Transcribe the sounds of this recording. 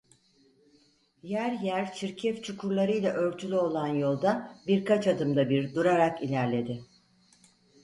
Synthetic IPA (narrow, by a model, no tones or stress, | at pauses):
jæɾjæɾt͡ʃʰiɾcʰɛft͡ʃʰukʰuɾlˠaɾɯjlʲˠaʔø̞ɾt͡ʃʰylʲyo̞lˠanjo̞lˠd̪abiɾkat͡ʃad̪ɯmd̪abiɾd̪uɾaɾakilʲæɾlʲe̞d̪ɪ